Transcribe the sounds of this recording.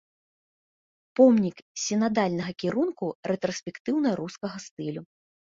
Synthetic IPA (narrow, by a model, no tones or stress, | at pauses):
pɔmnʲiksʲinad̪alʲnɐɣɐkʲiɾunkurɛt̪ɾɔsʲpʲɛkt̪ɨwnɐɾuskɐɣɐst̪ɨlʲu